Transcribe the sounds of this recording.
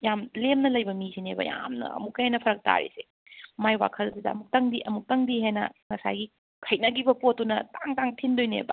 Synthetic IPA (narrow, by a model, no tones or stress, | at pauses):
jamlemnɐlɐjbɐmisʰinebɐ̰ja̰mnɐ̰ɐ̰mukːɐjenɐpʰɐɾɐk̚ta̰ɾḭse | majwa̰kʰɐlsidɐɐ̰muk̚tɐŋdiʔɐmuk̚tɐŋdiɦenɐ̰ŋɐsa̰jɡi | kʰɐjnɐɡibɐpotːunɐtaŋtaŋtʰindojnḛba̰